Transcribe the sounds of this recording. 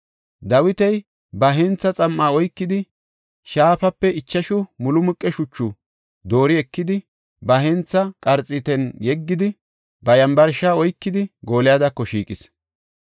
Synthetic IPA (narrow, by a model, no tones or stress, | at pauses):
d̪ɐwɪt̪ɛj | bɐɦɛnt͡sːɐt͡sʼɐmːaːɔjkːɪd̪ɪ | ʃaːfɐpːɛɪt͡ʃːɐʃʊmʊlʊmʊkʼːɛʃʊt͡ʃːʊ | d̪o̞ːɾɪɛkːɪd̪ɪ | bɐɦɛnt͡sːɐkʼɐɾt͡sʼːɪt̪ɛnjɛɡːɪd̪ɪ | bɐjɐmbɐɾʃaːɔjkːɪd̪ɪɡo̞ːlɪjad̪ɐkːɔʃḭːkʼɪs